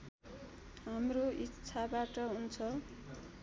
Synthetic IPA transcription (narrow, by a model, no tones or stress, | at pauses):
ɦamroitːsʰabaʈʌɦunt͡sʰʌ